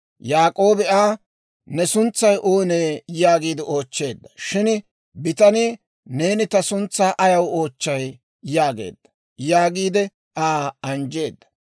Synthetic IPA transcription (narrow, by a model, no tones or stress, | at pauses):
jaːkʼo̞ːbɛaː | nɛsʊnt͡sːɐjʔoːneːjaːɡiːd̪ɪo̞ːt͡ʃːe̞ːd̪ːɐ̥ʃɪn | bɪt̪ɐni | ne̞ːnɪt̪ɐsʊnt͡sːaːʔɐjɐwoːt͡ʃːɐj | jaːɡḛːd̪ːɐ̥ | jaːɡiːd̪ɛ | ʔaːɐnd͡ʒe̞ːd̪ːɐ̥